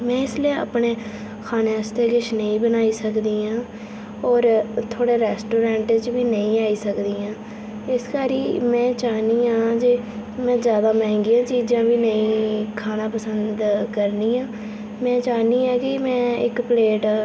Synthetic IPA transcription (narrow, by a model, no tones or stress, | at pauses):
mɛ̃ːɪslia̰pɳeː | kʰaːneəst̪eːɡɪʃnəĩːbənaːiːsəkd̪iːãː | ɔːɾt̪ʰoːɽeːɾɛːsʈoːɾɛ̃ːɳʈt͡ʃʋiːnəĩːaːiːsəkd̪iːãː | ɪskaːɾiːmɛ̃ːt͡ʃaːniːãːd͡ʒeː | mɛ̃ːzjaːd̪aːmɛ̃ːŋɡijãːt͡ʃiːd͡ʒãːbiːnəĩːkʰaːnãːpəsənd̪kəɾniːãː | mɛ̃ːt͡ʃaːniːãːkimɛ̃ːɪ̰kpleːʈ